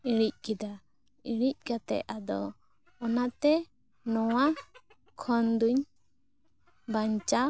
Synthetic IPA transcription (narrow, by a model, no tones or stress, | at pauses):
iɽic̚kid̪a | iɽic̚ˀkat̪ɛ̰ʔad̪ɔ̰ː | nat̪ɛ | nɔwa | kʰɔnd̪uɲ | baɲt͡ʃa